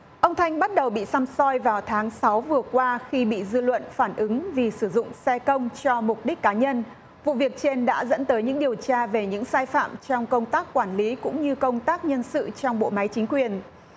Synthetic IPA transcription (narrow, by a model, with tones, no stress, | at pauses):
ʔə˧wŋ͡mt̪ʰa˧jŋ̟ɓa˦˥t̚ɗə˨˩wɓḭ˧˨sa˧msɔ˧jvaː˨˩wt̪ʰaː˨˦ŋsa˨˦wvɨ˨˩əkwaː˧xi˧ɓḭ˧˨zɨ˧lwə̰˧˨nfaː˧˩nʔɨ˨˦ŋvi˨˩sɨ˧˩zʊ̰˧˨ŋ͡msɛ˧kə˧wŋ͡mt͡ɕɔ˧mʊ˨˩t̚ɗi˦˥k̟̚kːaː˨˦ɲə˧n | vṵ˧˨vi˨˩ək̚t͡ɕe˧nɗa̰ː˧˥zə̰˧˥nt̪əː˨˦jɲɨ̰˧˥ŋɗi˨˩əwt͡ɕaː˧ve˨˩ɲɨ̰˧˥ŋsaː˧jfa̰ː˧˨mt͡ɕɔ˧wŋ͡mkə˧wŋ͡mt̪aː˦˥kːwaː˧˩nli˨˦kʊ̰˧˥ŋ͡mɲɨ˧kə˧wŋ͡mt̪aː˦˥k̚ɲə˧nsɨ̰˧˨t͡ɕɔ˧wŋ͡mɓo̰˧˨ma˨˦jt͡ɕï˨˦ŋ̟kwi˨˩ən